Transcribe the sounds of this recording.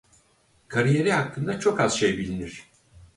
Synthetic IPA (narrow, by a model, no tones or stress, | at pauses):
kʰaɾije̞ɾihakːɯnd̪at͡ʃʰo̞kaz̥ʃe̞jbilʲiniɾ̥